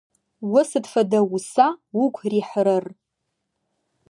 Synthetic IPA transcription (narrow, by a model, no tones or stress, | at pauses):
wʊsɨpʰfadawusawukʷʰriħɾɨr